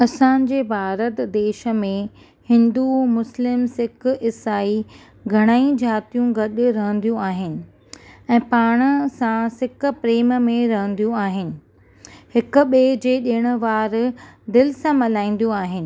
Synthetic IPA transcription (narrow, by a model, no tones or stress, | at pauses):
ɐsãːɲ̆d͡ʑeːbʱaːɾət̪d̪eːʃə̆mẽ | hɪ̃nd̪umʊslɪmsɪkɪsaːi | ɡʱɐɽ̃aːĩd͡ʑaːt̪ijũɡɐɗʊ̆ɾɐɦə̃n̆d̪ijũaːɦɪnɪ̆ | ɛ̃ːpaːɽ̃əsãsɪk̆pɾeːmmẽɾɐɦə̃nd̪ijũaːɦɪnɪ̆ | hɪkʊ̆ɓeːd͡ʑeːɗeːəɽ̃ʊ̆ʋaːɾd̪ɪlɪsãmɐlaːĩːn̆d̪ijũaːɦɪnɪ̆